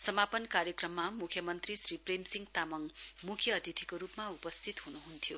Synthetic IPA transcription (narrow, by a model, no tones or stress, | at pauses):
sʌmapʌnkaɾjʌkrʌmːamukʰjʌmʌnt̪risripremsiŋt̪amʌŋmukʰjʌːd̪ʱit̪ʰikoɾupmaupʌst̪ʰit̪ɦunuɦunt̪ʰjo